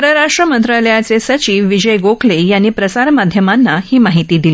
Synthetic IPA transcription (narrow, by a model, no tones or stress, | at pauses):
əɾəɾaʂʈɾəmənt̪ɾaləjat͡sesət͡ɕiːʋʋid͡ʑəjɡokʰlejanːiːpɾəsaɾmad̪ʱjəmanːahiːmaɦit̪iːd̪ili